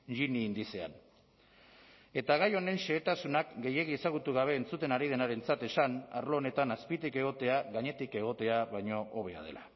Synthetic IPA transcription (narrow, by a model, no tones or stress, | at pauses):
ʎiniːnd̪ise̞a̰n | e̞t̪aɣ̞ajo̞ne̞nʃe̞ːt̪asunakɡe̞je̞ɣ̞iesaɣ̞ut̪uɣ̞aβ̞e̞ːnt͡sut̪e̞naɾið̞e̞naɾe̞nt͡sat̪e̞sana̰ɾloːne̞t̪anaspit̪ike̞ɣo̞t̪e̞aɣaɲe̞t̪ike̞ɣ̞o̞t̪e̞aβajɲo̞ʔoβe̞a̰ð̞e̞̰la